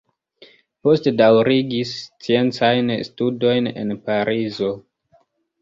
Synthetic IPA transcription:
po̞stedawɾiɡist͡sie̞nt͡sajnstudo̞jne̞̰npaɾʔizo̞

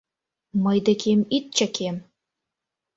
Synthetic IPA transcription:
mɤjd̪ekʰemit̪̚t͡ɕə̆kʰem

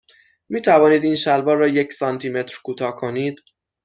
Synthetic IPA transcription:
miːt̪ʰævɒːniːd̪iːnʃælbɒːɾrːɒːjecsɒnt̪ʰiːme̞t̪ʰɾkʰuːt̪ʰɒːkʰo̞niːd̪̥

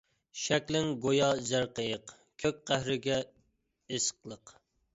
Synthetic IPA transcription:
ʃɛkʲlɪŋɡojɑzæɾqəjəq | kʲʰøk̚ʲqæhɾɪɡʲɛ | esqlˠəq

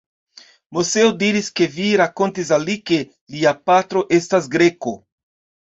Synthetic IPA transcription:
moseodiɾiske̞viɾako̞ntisalike̞ | liapatɾo̞ʔe̞stas̬ɡɾeko

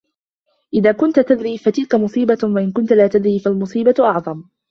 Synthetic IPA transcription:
ʔɪðaːkʊnt̪at̪ad̪ɾiːfat̪ɪlkamʊsˤiːbawaʔɪnkʊnt̪alaːt̪ad̪ɾiːfalmʊsˤiːbaʔɑʕðˤɑm

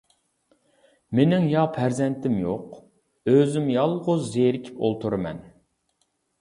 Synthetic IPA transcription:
menɪŋjɑpʰæɾzɛnt̪ɪmjoq | øzymjɑlˠʁʊzːeɾɪkʲʰi̥po̰lˠt̪ʰuɾɨmɛ̰n

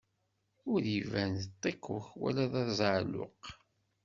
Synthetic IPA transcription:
ʊɾivænt̪ˤːeqːʊçwæ̰læðæðzʕlːʊ̰q

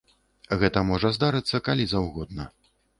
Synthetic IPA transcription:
ɣɛt̪ɐmɔʐɐzd̪aɾɨt̪sːɐkalʲizawɣɔd̪̚nɐ

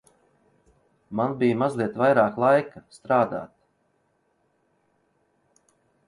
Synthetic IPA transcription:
manbijmazlˠiɛt̪vajɾaːklˠajkast̪ɾaːd̪a̰ːt̪

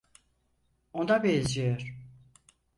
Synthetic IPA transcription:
ond̪abed͡ʒejoɾ̥

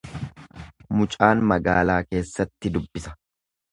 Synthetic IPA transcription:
mʊt͡ʃʼaːnmɐɡaːlaːke̞ːsːɐt̪ːɪd̪ʊbːɪsɐ̥

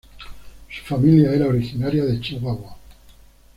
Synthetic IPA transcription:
su̥familjaɛɾaoɾixinaɾjaðet͡ʃiwaɣwa

